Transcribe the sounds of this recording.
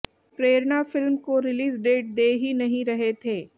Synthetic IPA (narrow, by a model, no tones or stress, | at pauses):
pɾeːɾnafɪlmkoɾɪliːsɖeːʈ̚d̪eːɦinɐɦĩɾɐɦet̪ʰeː